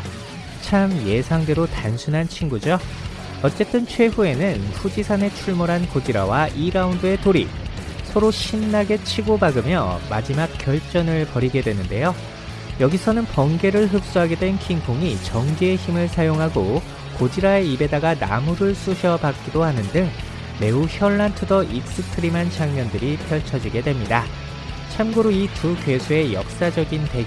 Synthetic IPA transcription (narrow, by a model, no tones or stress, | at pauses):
t͡ɕʰamje̞sʰaŋde̞ɾotansʰunɦant͡ɕʰinɡud͡ʑo | ʌt͡ɕ͈e̞t͈ɯnt͡ɕʰwe̞ɸue̞nɯnɸud͡ʑisʰane̞t͡ɕʰuɭmoɾɦankod͡ʑiɾa̰waʔiɾaundɯe̞toɾḭsʰʌɾoɕʰinːaɡe̞t͡ɕʰiɡobaɡɯmjʌma̰d͡ʑimak̚k͈jʌɭt͡ɕ͈ʌnɯɭpʌɾiɡe̞dwe̞nɯnde̞jo | jʌɡisʰʌnɯnpʌnɡe̞ɾɯɭɦɯp̚s͈uɦaɡe̞dwe̞nkʰinpʰoŋit͡ɕʌŋɡie̞çimɯɭsʰajoŋɦaɡo | kod͡ʑiɾaeibe̞daɡana̰muɾɯɭs͈uɕʰʌbak͈̚idohanɯndɯŋ | me̞uçjʌɭːantʰɯdʌʔik̚s͈ɯtʰɯɾimant͡ɕaŋɲʌndɯɾipʰjʌɭt͡ɕʰʌd͡ʑiɡe̞dwe̞mɲida | t͡ɕʰamɡɯɾoitukɥe̞sʰue̞jʌ̰k̚s͈ad͡ʑʌɡinte̞